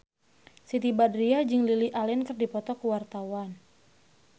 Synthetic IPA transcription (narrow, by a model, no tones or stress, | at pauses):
sit̪ibadɾiad͡ʒɨŋliliʔalɛnkɨrdipɔt̪ɔkuwart̪awan